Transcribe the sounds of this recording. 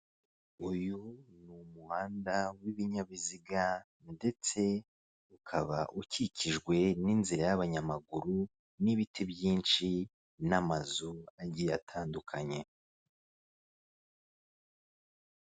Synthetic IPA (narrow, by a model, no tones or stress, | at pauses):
ujunumuhaːndawiβiɲaβiziɡa | nde̞t͡se̞ | ukʰaβaʔucicʰiʒɡwe̞ninziɾajaβaɲamaɡuɾu | niβitʰebjiːnʃi | namazuaɟijatʰaːndukʰaɲe̞